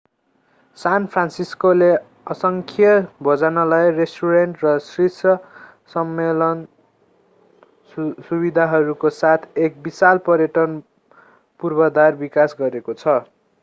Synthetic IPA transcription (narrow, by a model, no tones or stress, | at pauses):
sanpʰransiskole | ʌsʌŋkʰijʌbʱʌd͡zanʌlajresʈuɾeɳʈrʌsrisʌ | sʌmːelʌn | subid̪ʱaɦʌɾukosat̪ʰek̚bisalpʌɾjʌʈʌn | purbʌd̪arbikasɡʌɾekot͡sʰʌ